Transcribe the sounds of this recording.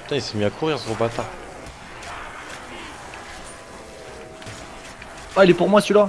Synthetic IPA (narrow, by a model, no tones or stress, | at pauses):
t̪ãilse̥miakʰuʁiʁsyʁbat̪ã | ailepuʁmwasyla